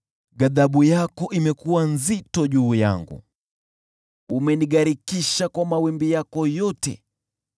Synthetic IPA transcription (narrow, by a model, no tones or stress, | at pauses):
ɡaðaɓujakɔʔimɛkuwanzitɔʄuːja̰ŋɡṵ | umɛniɠaɾikiʃakwamawimbijakɔjɔtɛ̰